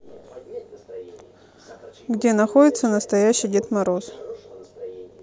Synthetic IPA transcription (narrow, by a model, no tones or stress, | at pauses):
ɡdʲe̞nɐxodʲɪt̪sənəst̪ɐjæɕːɪjdʲɪt̪mɐɾos